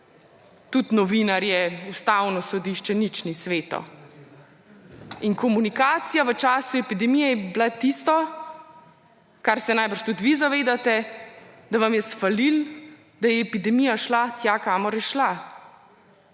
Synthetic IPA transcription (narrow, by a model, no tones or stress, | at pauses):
t̪ut̪nɔʋinaɾjɛust̪awnɔsɔd̪iʃt͡ʃɛnit͡ʃnisʋeːt̪ɔ̰ | inkɔmunikaːt̪sijaʋət͡ʃaːsuɛpid̪ɛmijɛjɛblat̪ist̪ɔ | kaɾsɛnajbəɾʃt̪ut̪ʋizaʋeːd̪at̪ɛ | d̪aʋamjɛsfalil | d̪ajɛːpid̪ɛmijaʃlat̪jakaːmɔɾjɛʃla